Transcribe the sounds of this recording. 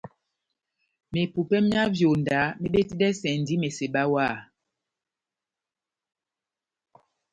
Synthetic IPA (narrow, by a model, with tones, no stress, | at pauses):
me˨pu˨pɛ˦mja˦vjo˨nda˨˦me˦ɓe˦ti˦dɛ˦sɛ˨n˨di˦me˨se˨ɓa˦wa˦˨